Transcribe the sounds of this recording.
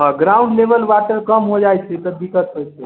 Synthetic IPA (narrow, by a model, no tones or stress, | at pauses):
ɦə̃ɡɾaʊɳɖleʋəlʋaʈəɾkəmɦod͡ʒajt͡ʃʰɛt̪ɔd̪ikət̪ɦojt͡ʃʰɛ